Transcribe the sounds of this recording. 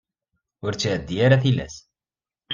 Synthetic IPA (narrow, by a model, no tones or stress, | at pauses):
ʊɾt͡sːʕəd̪ːijaɾaθilæ̰s